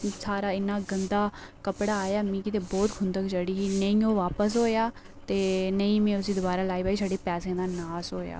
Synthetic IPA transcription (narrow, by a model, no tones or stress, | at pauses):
saːɾaːɪnːaːɡənd̪aːkəpɽaːaːjaːmĩːkɪt̪eːbɔːt̪kʰʊnd̪əkd͡ʒəɽiːɦiːnəĩːõːʋaːpəs̬ɦoːjaː | t̪eːnəĩːmɛ̃ːʊsĩːd̪ʊbaːɾaːlaːiːbaːiːsaːɖeːpɛːsẽːd̪aːnaːsɦoːja̰ː